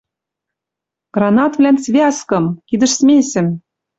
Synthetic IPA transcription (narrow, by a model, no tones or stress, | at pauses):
ɡ̥rɑnɑt̪vlʲænt͡sβʲeɑskɤ̆mkid̪ɘ̆ʃsmʲesʲɘ̆m